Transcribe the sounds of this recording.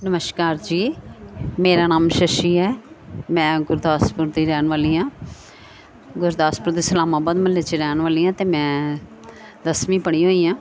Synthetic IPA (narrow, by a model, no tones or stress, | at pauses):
nəməʃkaːɾd͡ʒiː | meːɾaːnaːmʃəʃiːɦɛːmɛ̃ːɡʊɾd̪aːspʊɾd̪iːɾɛːnʋaːliːãː | ɡʊɾd̪aːspʊɾd̪iːsəlaːmaːbaːd̪məlːeːt͡ʃiɾɛːnʋaːliːãːt̪eːmɛ̃ː | d̪əsmĩːpəɽ̃iːɦoːiːãː